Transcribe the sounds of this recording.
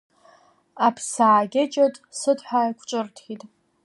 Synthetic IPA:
apʰsaːɡʲɪt͡ʃʼatʼsɨdħʷajkʷʰt͡ʃʼɨrtʰχitʼ

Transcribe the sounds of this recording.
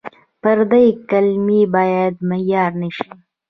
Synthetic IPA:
pəɾd̪ajkalmibɑjad̪majɑɾnəʃi

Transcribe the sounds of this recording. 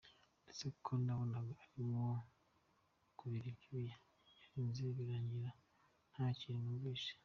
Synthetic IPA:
det͡sekʰonaβonaɡoaɾimo | kuβiɾibɟuija | aɾiːnziβiɾaːɲɟiɾa | n̥haːciɾinuβiːʃḁ

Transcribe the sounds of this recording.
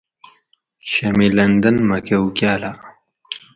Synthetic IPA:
ɕɐmilɐnd̪ɐnmɐkewkjaːla

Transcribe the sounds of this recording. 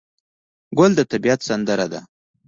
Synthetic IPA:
ɡʊld̪ət̪abijat̪sand̪əɾad̪a

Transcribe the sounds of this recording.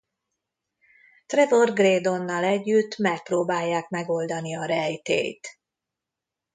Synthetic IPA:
t̪rɛd̪o̞rɡreːd̪o̞nːɒlɛɟːyt̪ːmɛk̚proːbaːjːaːkmɛɡo̞ld̪ɒniɒɾɛjt̪ḛːjt̪

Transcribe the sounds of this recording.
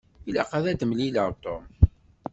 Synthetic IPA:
ilæqɑðæd̪əmlilat̪om

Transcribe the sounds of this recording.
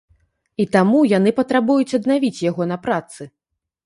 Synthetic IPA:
it̪amujan̪ɨpɐt̪ɾabujut͡sʲɐd̪navʲit͡sʲjaɣɔn̪ɐpɾat̪sɨ

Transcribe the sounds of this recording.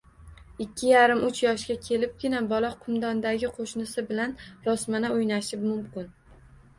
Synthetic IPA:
ɪkʲʰːɪjaɾɪmʊt͡ʃʰjɒʃɡʲakʲʰe̞lɪp̚ɡʲɪnabɒlˠɒqʰʊmd̪ɒnd̪aɡʲɪqʰoʃnɪsɪbɪlanɾɒsmanaojnaʃɪpmʊmkʲɪn

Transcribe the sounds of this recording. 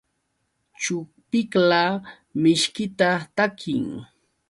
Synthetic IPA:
t͡ʃʊk̚pɪkla | mɪʃkɪt̪at̪akʰɪ̰ŋ

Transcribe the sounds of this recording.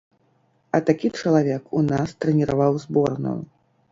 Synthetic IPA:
ɐt̪akʲit͡ʂɐlˠavʲɛkunast̪ɾɛnʲiɾavawzbɔrnɐ̰

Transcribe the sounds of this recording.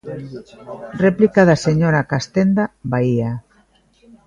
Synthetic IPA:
replikaðaseɲoɾakast̪end̪aβaia

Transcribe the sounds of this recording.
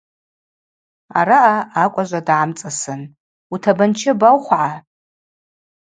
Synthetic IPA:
a̰ɾaʔaakʷʼaʒʷadʕamt͡sʼasɨn | utʰabant͡ʃʰɪbawχʷʕa

